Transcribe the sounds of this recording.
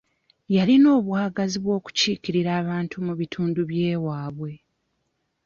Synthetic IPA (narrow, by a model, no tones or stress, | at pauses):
jalino̞ːβwaːɡaziβwo̞ːku̥ciːkiɾiɾaːβaːntumuβitʰuːnduβje̞ːwaːβwe̞